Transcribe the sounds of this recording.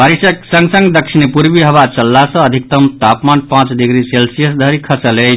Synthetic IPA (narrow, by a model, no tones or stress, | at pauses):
baɾisəksə̃ŋɡsə̃ŋɡd̪əkt͡ʃʰinpuɾbiɦəβat͡ʃəlːasə̃əd̪ʱik̚t̪əmt̪apmanpãt͡ʃd̪iɡɾiselsijəsd̪ʱəɾikʰəsələjt͡ʃʰ